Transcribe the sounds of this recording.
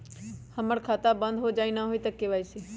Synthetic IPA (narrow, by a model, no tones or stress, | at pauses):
həməɽkʰaːt̪abə̃nd̪ʱɦoːd͡ʒaːinaɦoːiːt̪əkːeʋaːisiː